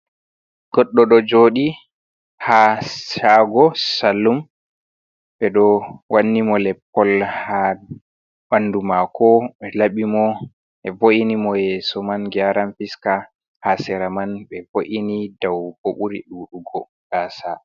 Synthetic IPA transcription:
ɡ̥ɔɗːɔɗɔd͡ʒoːɗi | haʃaɡɔsalːum | ɓɛɗɔwanːimɔlɛpːɔlha | ɓandumakʰɔɓɛlaɓimɔ | ʔɛvoʔinimɔjɛsɔmanɡiaɾamfiska | hasɛɾamanɓɛvoʔinidawb̥oɓuɾḭɗuːɗuɡɔ | ɡ̥asa

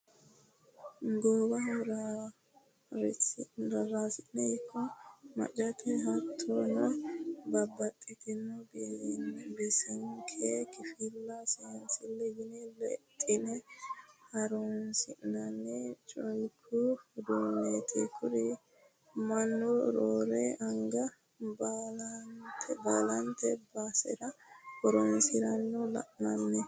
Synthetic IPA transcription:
ɡoːbɐhɾa | ɾɾɐɾasɪnɛɪkʰːɔmɐ̰t͡ʃʼɐt̪ʰɛɦɐt̪ʰːonɐbɐbːɐt̪ʼːɪt̪ɪnːɔbinbɛsɐŋkʰekɪfɪlːɐsɛɐnsɪlːɛɡɪnɛlɛ̰t̪ʼːɪnɛ | hɐɾonsɪʔnɐnːɛt͡ʃʼɔjkʰːʊd̪unet̪ʰʼekʰʊɾɪ | mɐnːɔɾoːɾeʔɐŋɡɐ | balɐnt̪ʰɛbɐlɐnt̪ɛbaːsɛ̰ɾɐhɔɾɔnsɪɾɐnːɔlɐ̰ʔnɐnːɛ

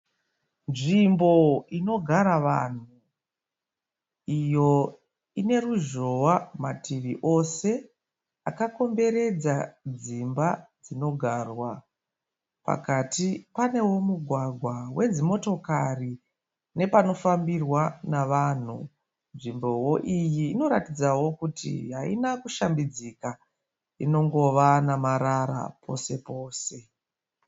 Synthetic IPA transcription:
nʐimbo̞ino̞ɡʱaɾaʋan̤u | ijo̞ | ine̞ruʒowamatiʋiʔo̞se̞ | akako̞mbe̞ɾe̞d͡zad͡zimbad͡zino̞ɡʱarwa | pa̰katipane̞wo̞muɡʱwaɡʱwawe̞d͡zimo̞to̞kari | ne̞pano̞fambirwanaʋan̤ṵ | nʐimbo̞wo̞ʔijiːno̞ɾatid͡zawo̞kutḭɦaḭnakuʃambid͡zika | ino̞ŋɡo̞ʋanamaɾaɾa̰pʰo̞̰se̞po̞ːse̞

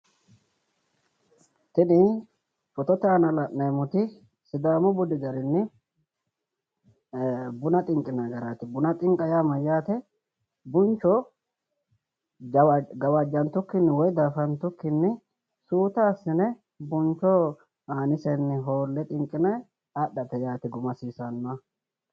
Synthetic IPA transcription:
t̪ɪnɪ | fɔt̪ɔt̪ɛanɐlɐʔnɐjmʊt̪ɪ | sɪd̪aːmʊbʊd̪ɪɡɐɾɪnːɪ | bʊnɐt̪ʼɪŋkʼːɪnaɡɐɾaːt̪ɪbʊnɐt̪ʼɪŋkʼːɐjamɐjːaːt̪ɛ | bʊnt͡ʃːɔ | d͡ʒɡɐwad͡ʒːɐnt̪ːʊkːɪnːɪwɔjd̪aːfɐnt̪ːʊkːɪnːɪ | suːt̪aːsːɪnɛ | bʊnt͡ʃɔ | aːnɪsɛnːɪɦo̞ːlːɛt̪ʼɪŋkʼːɪnɛ | aɗːɐt̪ɛjaːt̪ɪɡʊmɐsiːsɐnːɐ

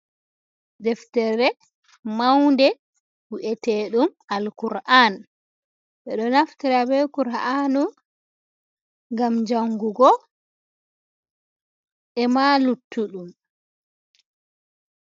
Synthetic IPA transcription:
dɛftɛɾɛ | mawndɛ | huʔɛtɛɗumalkuɾʔan | ɓɛɗɔnaftiɾabɛkuɾanu | ŋɡamd͡ʒaŋɡuɡɔ | ʔɛmalutʰːuɗum

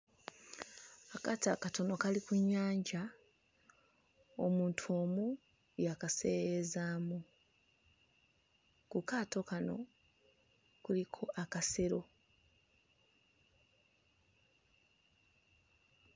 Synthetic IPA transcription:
akataːkato̞no̞kalikuɲːaːɲɟa | o̰muːntʰuo̞ːmu | jakase̞ːɾezaːmu | kukaːto̞kano̞̰ | kulikʰo̞ʔakaseɾo̞

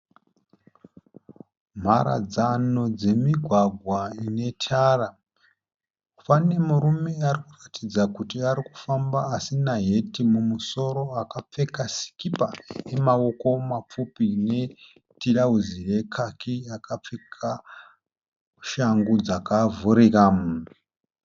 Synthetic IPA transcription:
m̤aɾa̰d͡zano̞d͡ze̞miɡʱwaɡʱwaine̞tʰara | pane̞muɾume̞arikuratid͡zakutiaɾiku̥fambaːsinaɦe̞timumuso̞ɾo̞akap͡fe̞kasi̥kipae̞mao̞ko̞map͡fupine̞ | tiɺauzije̞kʰakʰiakap͡fekʰa | ʃaŋɡud͡zakavuɾikam

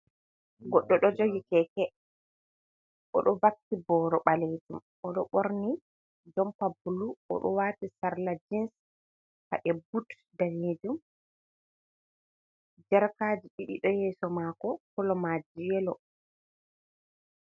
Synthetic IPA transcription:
ɡɔɗːɔɗɔd͡ʒoɡikɛkɛ | ʔɔ̰ɗɔbaktːibɔɾɔɓaled͡ʒum | ʔɔɗɔ̰ɓoɾni | d͡ʒɔmpabuluɔ̰ɗɔwaːtisaɾlad͡ʒins | ha̰ʔɛbut | daned͡ʒum | d͡ʒɛɾkaːd͡ʒiɗiɗḭɗɔjɛsɔmakɔkɔlɔmad͡ʒijɛlɔ

